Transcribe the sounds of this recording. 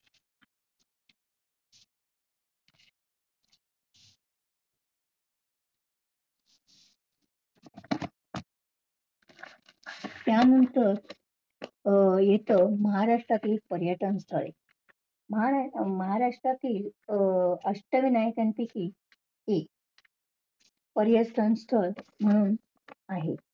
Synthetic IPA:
t̪janənt̪əɾ | jet̪əməɦaɾaʂʈɾat̪iːlpəɾjəʈənst̪ʰəɭḛ | məɦaməɦaɾaʂʈɾat̪iːl | əʂʈəʋinajkant̪ikiː | ek | pəɾjəʈ̪ənst̪ʰəɾm̤əɽ̃uːn | aɦḛ

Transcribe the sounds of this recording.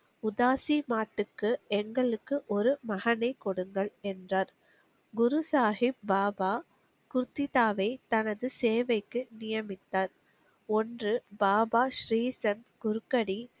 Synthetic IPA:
ʊðaːsimaːʈːɯkːɯɛŋɡɐɭɯkːɯʔɔɾɯmɐɣɐnɐɪkːɔɽɯŋɡɐɭɛndraːɾ | ɡʊɾusaːhɪp̚baːbaː | kʊɾt̪ːɪðaːʋɐɪt̪ɐnɐðɯseːʋɐɪkːɯnɪjɐmɪt̪ːaːɾ | ɔndrɯbaːbaːʃɾiːsɐnd̪ɡʊɾɯkːɐɽi

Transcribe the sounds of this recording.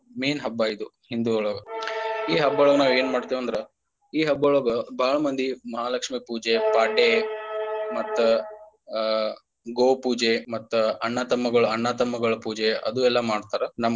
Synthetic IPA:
miːnɦɐbːaid̪uhind̪uoɭɔɡɐiːɦɐbːoːɭɔɡɐnaːʋe̞ːnmaːɖt̪iːʋɐnd̪ɐɾe | iːɦɐbːoɭɔːɡɐbʱaːɭɐmɐnd̪ʱimɐɦaːlɐkʂmipuːd͡ʒepaːɖe | mɐt̪ːu | ɡoːpuːd͡ʒemɐt̪ːuɐɳːaːt̪ɐmːɐɡɐɭuɐɳːaːt̪ɐmːɐɡɐɭɐpuːd͡ʒeɐ̰d̪uɛlːɐmaːɖt̪aːɾɐnɐm

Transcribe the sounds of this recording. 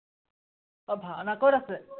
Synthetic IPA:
ɔbʱaɔnakɔɾasɛ

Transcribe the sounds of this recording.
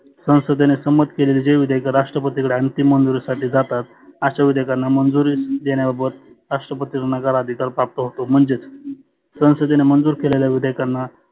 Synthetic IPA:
sə̃w̃səd̪enesəmət̪keleliːd͡ʑeʋid̪ʱjkaɾaʂʈɾəpət̪ikɽeənt̪imːənd͡zuɾisaʈʰiːd͡zat̪at̪̚ | aɕaʋid̪ʱəjkanːamənd͡zuɾiːsd̪eɽ̃jababət̪ | ɾaʂʈɾəpət̪iɾnəɡəɾad̪ʱikaɾpɾap̚t̪əɦot̪om̤əɳd͡ʑet͡s | sə̃w̃səd̪enemənd͡zuːɾkeleljaʋid̪əjkanːa

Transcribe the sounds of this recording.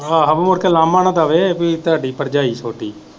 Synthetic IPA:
aːɦəʋẽːmʊɽkeːlaːmaːnaːd̪aːʋeːpit̪ɦaːɖiːpəɾd͡ʒaːiːt͡ʃʰoːʈiː

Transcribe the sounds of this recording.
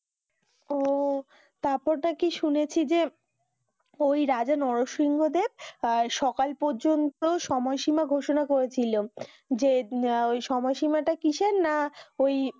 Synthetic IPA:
o | t̪aɾpɔɾnakiʃunet͡ɕʰid͡ʑe | ojɾad͡ʑanɔɾoʃɾiŋɡod̪eb̚ʃɔkalpɔɾd͡ʑont̪oʃɔmɔjʃimaɡʱoʃonakoɾet͡ɕʰilo | d͡ʑeojʃɔmɔjʃimaʈakiʃenːaoj

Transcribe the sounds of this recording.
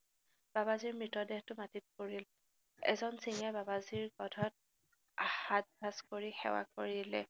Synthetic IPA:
b̥abaziɹmɹitɔdɛhtʊmatit̚koɹil | ɛ̰zɔnsiŋɛbabaziɹɡɔdʱɔt̚ | ahat̚bʱaskoɹixɛ̰wa̰koɹilɛ

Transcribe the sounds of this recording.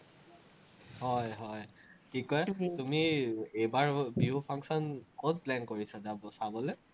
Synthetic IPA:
hɔjɦɔj | xikɔjɛtumiejbaɹbiupʰaŋksɔnkod̚plɛnkoɹisazabɔsabɔlɛ

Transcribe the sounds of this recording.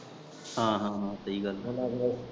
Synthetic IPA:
ɦãːɦãːɦãːsəiːɡəlla

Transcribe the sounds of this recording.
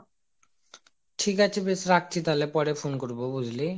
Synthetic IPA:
ʈʰikat͡ɕʰebesɾak̚t͡ɕʰit̪alepɔɾefonkoɾbobud͡ʑʱli

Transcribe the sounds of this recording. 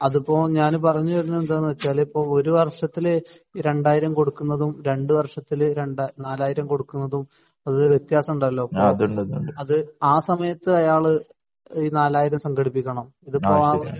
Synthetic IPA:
ɐðupːo̞ːɲaːnpɐrɐɲːuʋɐɾunːuend̪aenːɨʋɐt͡ɕːaːlipːo̞ːɭo̞ɾuʋɐrʂɐt̪ːil | ɾe̞ɳɖaːjiɾɐmko̞ɽukːunːɐðumɾe̞ɳɖɨʋɐrʂɐt̪ːilɾeɳɖaːnaːlaːjiɾɐmko̞ɽukːunːɐðum | ɐðɨʋjet̪jaːsɐmuɳɖɐlːo̞ːpːoðuɳɖɐðuɳɖɐðɨaːsɐmɐjɐt̪ːɨɐjaːɭɨ | iːnaːlaːjiɾɐmsɐŋɡɐɽipːikʲːɐɳɐm | iðupːoːaː

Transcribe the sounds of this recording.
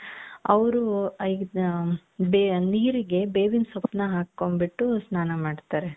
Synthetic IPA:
ɐ̰ʋɾui | beniːɾiɡe̞beːʋinsɐpnɐɦaːkːombiʈːusnaːnɐmaːɖt̪aːɾe

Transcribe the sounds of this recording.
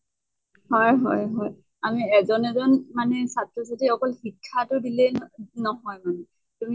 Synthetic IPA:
hɔjɦɔjɦɔj | amiɛzɔnɛzɔnmanɛsatɹɔs̬atʰiɔkɔlxikʰːatʊdilɛnɔɦɔjmanɛ | tumi

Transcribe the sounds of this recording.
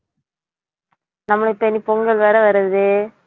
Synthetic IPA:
nɐmːɐɭɪpːɐnipɔŋɡɐɭʋɐːɾɐʋɐɾɯðɯ

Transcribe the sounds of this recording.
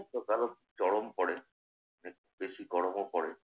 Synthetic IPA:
t̪okalo | t͡ʃɔɽompɔɽe | nek | beʃikɔɽomopɔɽe

